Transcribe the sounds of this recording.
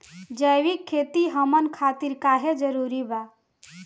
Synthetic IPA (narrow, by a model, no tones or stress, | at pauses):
d͡ʒəjʋikʰːet̪iɦəmənkʰat̪iɾkaɦed͡ʒəɾuɾiba